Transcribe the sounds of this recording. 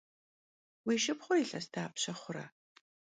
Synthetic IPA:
wiːʃɪpχʷʊiɬɐstʰaːpɕɐχʷʊrɐ̰

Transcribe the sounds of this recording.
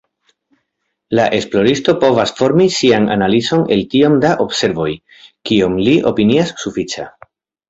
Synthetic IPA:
laʔe̞splo̞ɾisto̞po̞vasfo̞ɾmisiana̰nalizo̞ne̞ltio̞mdaʔo̞bse̞ɾvo̞j | kio̞mliʔo̞̰piniasːufit͡ʃa̰

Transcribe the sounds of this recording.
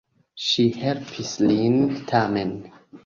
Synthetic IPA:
ʃihɛɾpʰislint̪ʰamɛ̃n

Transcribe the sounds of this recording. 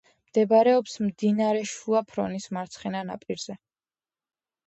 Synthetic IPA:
md̪̥ɛbaɾɛɔpsmd̪inaɾɛʃuapʰɾɔ̰nismaɾt̪sʰχɛnana̰pʼiɾz̥ɛ

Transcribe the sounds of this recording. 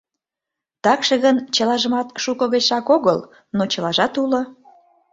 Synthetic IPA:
t̪ɑkʃeɣənt͡ɕə̆lɑʒəmɑt̪ʃukə̆ɣət͡ɕʃɑkoɣəl | not͡ɕə̆lɑʒɑt̪ulo

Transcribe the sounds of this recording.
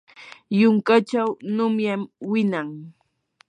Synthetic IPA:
jʊŋkat͡ʃawnʊmjamwɪnaŋ

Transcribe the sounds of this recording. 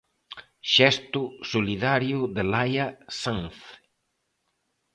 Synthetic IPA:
ʃɛst̪ʊsoliðaɾjʊðelajasanθ

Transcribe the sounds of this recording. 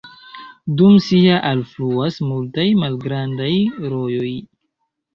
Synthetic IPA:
dumsiaʔalfluasmultajmalɡɾandajɾo̞jo̞j

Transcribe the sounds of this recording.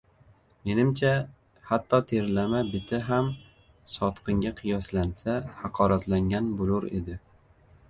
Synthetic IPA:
me̞nɪmt͡ʃʰa | hat̪ʰːɒt̪ʰeɾlamabɪt̪ʰɪɦam | sɒt̪qʰɨŋɡʲaqʰɨjɒslansahɑqʰɒɾat̪ʰlaŋɡʲanbolˠʊɾe̞̰d̪ɪ

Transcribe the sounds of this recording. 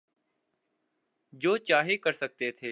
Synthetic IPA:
d͡ʒoːt͡ʃaːɦikəɾsək̚t̪et̪ʰeː

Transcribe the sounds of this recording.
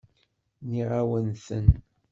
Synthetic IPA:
niʁawənθən

